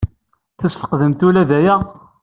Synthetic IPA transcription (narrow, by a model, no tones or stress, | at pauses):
θəsfə̥qðəmt̪ulæðæjæ